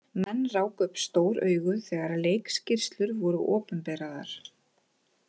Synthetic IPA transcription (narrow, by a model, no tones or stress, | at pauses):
mɛnːraːwkʏpst̪oːwɾœ̰ːɥɣʏθɛːɣaɾleːjkscɪr̥st̪lʏɾvɔɾʏʔɔːpʏmpɛːɾaðaɾ̥